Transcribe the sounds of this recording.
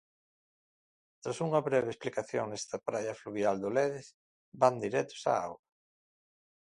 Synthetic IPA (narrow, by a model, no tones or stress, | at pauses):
t̪ɾasuŋɐβɾɛβeesplikaθjoŋnɛst̪ɐpɾajɐfluβjald̪ʊlɛðɪs | band̪iɾɛt̪ʊ̥sa̰a̰wɾɐ